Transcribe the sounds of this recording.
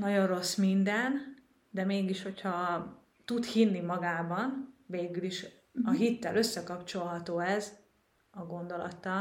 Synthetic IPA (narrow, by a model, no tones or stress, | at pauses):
nɒɟo̞nro̞smind̪ɛn | d̪ɛmeːɡiʃho̞chɒ | t̪ut̪hinːimɒɡaːbɒnveːɡyliʃ | ɒɦit̪ːɛlø̞sːɛkɒpt͡ʃo̞lɦɒt̪oːɛz | ɒɡo̞nd̪o̞lɒ̰t̪ːɒl